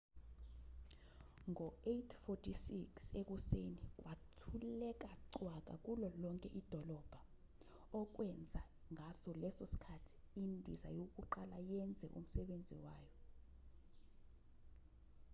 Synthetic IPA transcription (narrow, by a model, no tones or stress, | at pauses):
ŋʱɔetʰfotʰisiksek̬ʼusenik̬ʼwʔatʰulɛk̬ʼaǀwak̬ʼak̬ʼulɔlɔŋkʼɛʔid̥ʱɔlɔb̥ʱa | ɔk̬ʼwɛnd͡zʱa | ŋʱasɔlɛsosi̥kʰatʰi̥indʱḭza̰jok̬ʼuǃalajɛnd͡zʱɛʔṵm̩sɛɓend͡zʱḭwaːjɔ